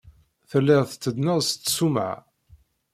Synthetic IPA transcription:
θəlːɪʁθt͡sːəd̪nəʁst͡s̪ːsumʕ

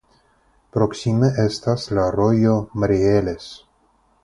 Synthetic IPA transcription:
pɾoksimeʔest̪aslaɾojomaɾieles

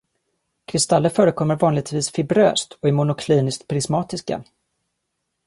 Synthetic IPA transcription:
kʰɾɪst̪alːəfœːɾəkʰɔmːəɾvɑːnlɪɡ̚t̪viːsfɪbɾø̰ːst̪ʰɔɛmʊnʊkʰliːnɪst̪pʰɾɪsmɑːt̪ɪska̰

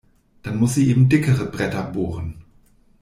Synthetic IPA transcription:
d̥anmʊsz̥iːʔeːbm̩dɪkəʁəbʁɛtɐboːʁən

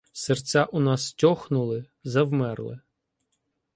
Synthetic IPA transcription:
sert͡sʲaʔʊnɑstʲɔxnʊlˠɪ | zɐwmɛrlˠɪ̰

